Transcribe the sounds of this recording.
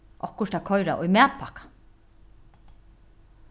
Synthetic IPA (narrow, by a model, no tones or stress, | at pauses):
ʔɔhkʊʃt̪akʰɔjɾaʔʊjmæːt̪̚pʰakḁ